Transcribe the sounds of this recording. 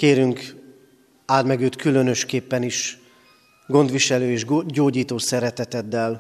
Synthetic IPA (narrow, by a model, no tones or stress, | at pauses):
keːɾyŋk | aːd̪mɛɡøːt̪kylø̞nø̞ʃkeːpːɛniʃ | ɡo̞nd̪ʋiʃɛløːeːʒɟoːɟiːt̪oːsɛɾɛt̪ɛt̪ɛd̪ːɛl